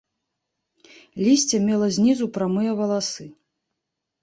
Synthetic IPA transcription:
lʲisʲt͡sʲɛmʲɛlˠɐzʲnʲizupɾamɨjɐvɐlˠasɨ

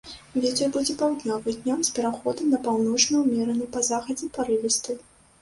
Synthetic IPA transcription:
vʲɛt̪ʲɛrbud͡zʲɛpawd̪nʲɔvɨd̪ʲnʲɔmspʲɛɾaxɔd̪ɐnɐpawnɔt͡ʂnɐwmʲɛɾɐnɨpɐzaxɐd͡zʲɛpɐɾɨvʲɛst̪ɨ

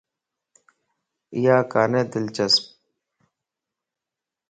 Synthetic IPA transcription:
ijaːkaːneːd̪ɪlt͡ʃəsp

